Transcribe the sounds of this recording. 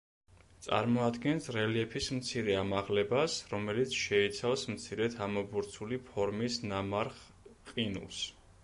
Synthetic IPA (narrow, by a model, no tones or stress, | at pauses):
t̪sʼa̰ɾmɔad̪ɡɛnsɾɛliɛpʰismt̪sʰiɾɛamaʁlɛbasɾɔmɛlit̪sʰʃɛit̪sʰafsmt̪sʰiɾɛt̪ʰamɔbuɾt̪sʰulipʰɔɾmisnamaɾχ | qʼinṵs